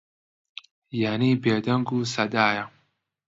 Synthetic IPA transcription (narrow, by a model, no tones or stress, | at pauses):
janiːbeːd̪ɐŋɡuːsɐd̪aːjɐ